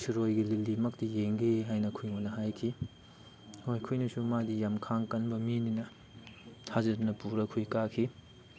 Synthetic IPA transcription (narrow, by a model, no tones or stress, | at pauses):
sɾojɡililimɐk̚tijeŋɡeɦajnɐkʰujŋonɐɦajkʰi | hojkʰujnɐsumadijamkʰaŋkɐnbɐmininɐ | tʰazɐdunɐpuɾɐkʰujkakʰi